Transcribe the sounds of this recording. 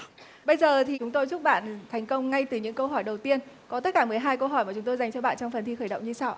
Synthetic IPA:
ɓə˧jzəː˨˩t̪ʰi˨˩t͡ɕʊ˨˦ŋ͡mt̪o˧jzʊ˦˥k͡p̚ɓa̰ː˧˨nt̪ʰa˨˩jŋ̟kə˧wŋ͡mŋa˧jt̪ɨ˨˩ɲɨ̰˧˥ŋkə˧wɦɔ˧˩jɗə˨˩wt̪i˧ənkɔ˨˦t̪ə˦˥t̚kaː˧˩mɨ˨˩əjɦaː˧jkə˧wɦɔ˧˩jma˨˩t͡ɕʊ˨˦ŋ͡mt̪o˧jza˨˩jŋ̟t͡ɕɔ˧ɓa̰ː˧˨nt͡ɕɔ˧ŋ͡mfə˨˩nt̪ʰi˧xəː˧˩jɗə̰˧˨ŋ͡mɲɨ˧sa˧w

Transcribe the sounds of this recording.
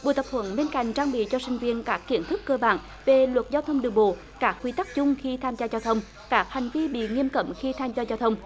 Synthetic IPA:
ɓṵ˨˧˨jt̪ə˨˩p̚hʰwə̰˧˥˦nɓe˧nka̰˧˨jŋ̟t͡ɕaː˧ŋɓḭ˧˨t͡ɕɔ˧sï˧ŋ̟vi˧ənkaː˦˥kːi˧˩ənt̪ʰɨ˦˥kːəː˧ɓa̰ː˧˨n | ve˨˩lwə˨˩t̚zaː˧wt̪ʰə˧wŋ͡mɗɨ˨˩əɓo̰˧˨ | kaː˦˥kːwi˧t̪a˦˥k̚t͡ɕʊ˧ŋ͡mxi˧t̪ʰaː˧mzaː˧zaː˧wt̪ʰə˧wŋ͡m | kaː˦˥k̚ha˨˩jŋ̟vi˧ɓḭ˧˨ŋi˧əmkə̰˧˩˥mxi˧t̪ʰaː˧mzaː˧zaː˧wt̪ʰə˧wŋ͡m

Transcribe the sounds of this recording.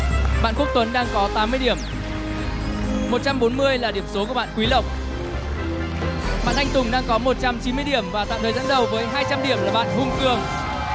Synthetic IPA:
ɓa̰ː˧˨nku˦˥k̚t̪wə˨˦nɗaː˧ŋkɔ˨˦t̪aː˨˦mːɨ˧əjɗi˧˩əm | mo˨˩t̚t͡ɕa˧mɓo˨˦nmɨ˧əjlaː˨˩ɗi˧˩əmso˨˦ku˧˩əɓa̰ː˧˨kwi˨˦lə˨˩wk͡p̚ | ɓa̰ː˧˨nʔa˧jŋt̪ʊ˨˩ŋ͡mɗaː˧ŋkɔ˨˦mo˨˩t̚t͡ɕa˧mt͡ɕi˨˦nmɨ˧əjɗi˧˩əmvaː˨˩t̪a̰ː˧˨w̪t̪ʰəː˨˩zaː˨˦nɗə˨˩wvəː˨˦jɦaː˧jt͡ɕa˧mɗi˧˩əmlaː˨˩ɓa̰ː˧˨nhʊ˧ŋ͡mkɨ˧˩əŋ

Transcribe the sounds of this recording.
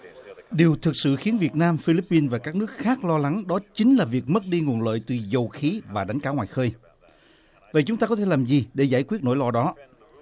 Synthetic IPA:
ɗi˨˩əwt̪ʰɨ˨˩k̚sɨ̰˧˨xi˨˦ənvi˨˩ət̚naː˧mfi˧li˦˥pːi˧nvaː˨˩kaː˦˥k̚nɨ˦˥ək̚xaː˦˥k̚lɔ˧la˨˦ŋɗɔ˨˦t͡ɕï˨˦ŋ̟laː˨˩vi˨˩ək̚mə˦˥t̚ɗi˧ŋu˨˩ənlə̰ː˧˨jt̪ɨ˨˩zə˨˩wxi˨˦vaː˨˩ɗa˨˦jŋ̟kaː˨˦ŋwaː˨˩jxəː˧j | və̰˧˨t͡ɕʊ˨˦ŋ͡mt̪aː˧kɔ˨˦t̪ʰe˧˩laː˨˩mzi˨˩ɗe˧˩zaː˧˩jkwi˦˥ət̚no̰˧˥jlɔ˧˩ɗɔ˨˦

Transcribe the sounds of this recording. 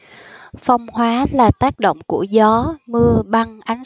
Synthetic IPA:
fa˧wŋ͡mhwaː˨˦laː˨˩t̪aː˦˥k̚ɗo̰˧˨wŋ͡mku˧˩əzɔ˨˦mɨ˧əɓa˧ŋʔa˨˦n

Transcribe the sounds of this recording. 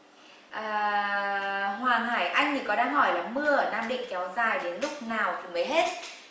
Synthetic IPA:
ʔəː˨˩ | hwaː˨˩ŋhaː˧˩jʔa˧jŋ̟t̪ʰi˧˩kɔ˨˦ɗaː˧ŋɦɔ˧˩jlaː˨˩mɨ˧əɗaː˧mɗḭ˧˨ŋ̟kɛ˨˦wzaː˨˩jɗe˨˦nlʊ˦˥k͡p̚naː˨˩wt̪ʰi˨˦məː˨˦jɦe˦˥t̚

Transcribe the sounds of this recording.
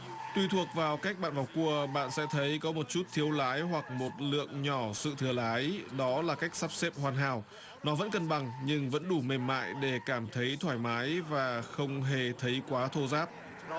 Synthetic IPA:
t̪wi˧t̪ʰək̚vaː˨˩wkaː˦˥k̚ɓa̰ː˧˨vaː˨˩wku˧əɓa̰ː˧˨nsɛ̰˧˥t̪ʰə˨˦jkɔ˨˦mo˨˩t̚t͡ɕu˦˥t̚t̪ʰi˨˦əwlaː˨˦jɦwa˨˩k̚mo˨˩t̚lɨ̰˧˨əŋɲɔ˧˩sɨ̰˧˨t̪ʰɨ˧˩əlaː˨˦jɗɔ˨˦laː˨˩ka˦˥jk̚saː˦˥p̚sɛ˦˥p̚hwaː˨˩nɦa̰ː˧˨˩w | nɔ˨˦və̰˧˥nkə˧nɓa˨˩ŋɲɨ˧ŋvə̰˧˥nɗu˧˩me˨˩mma̰ː˧˨jɗe˧˩kaː˧˩mt̪ʰə˨˦jt̪ʰwaː˧˩jmaː˨˦jvaː˨˩xə˧wŋ͡mɦe˨˩t̪ʰə˨˦jkwaː˨˦t̪ʰo˧zaː˦˥p̚

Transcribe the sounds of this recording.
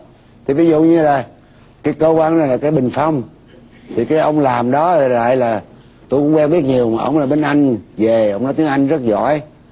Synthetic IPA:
t̪ʰi˨˩vi˨˦zṵ˧˨ɲɨ˧laː˨˩ | kaː˨˦jkəː˧kwaː˧na˨˩laː˨˩kaː˨˦jɓï˨˩ŋ̟fə˧wŋ͡m | t̪ʰi˨˩kaː˨˦jʔə˧wŋ͡mlaː˨˩mɗɔ˨˦˨a̰ː˧˨jlaː˨˩ | t̪o˧kʊ̰˧˥ŋ͡mkwɛ˧ŋɓi˦˥ət̚ɲi˨˩əwmaː˨˩ʔə̰˧˩wŋ͡mlaː˨˩ɓe˧nʔa˧jŋ̟ve˨˩ʔə˧wŋ͡mnɔ˨˦t̪i˨˦əŋʔa˧jŋ̟zə˦˥t̚zɔ̰˧˩˨j

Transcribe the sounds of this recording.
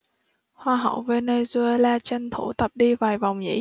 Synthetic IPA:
hwaː˧ɦə̰˧˨wve˧neː˧jzu˧e˧laː˧t͡ɕe˧nt̪ʰu˧˩t̪ə˨˩p̚ɗi˧vaː˨˩jva˨˩wŋ͡mɲḭ˧˥

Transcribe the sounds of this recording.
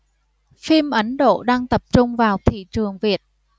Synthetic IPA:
fi˧mʔə˨˦nɗo̰˧˨ɗaː˧ŋt̪ə˨˩p̚t͡ɕʊ˧ŋ͡mvaː˨˩wt̪ʰḭ˧˨t͡ɕɨ˨˩əŋvi˨˩ət̚

